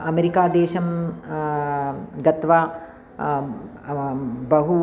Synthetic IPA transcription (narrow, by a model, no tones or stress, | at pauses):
ɐmeɾikaːd̪eːʃɐm | ɡɐt̪ʋa | bɐɦu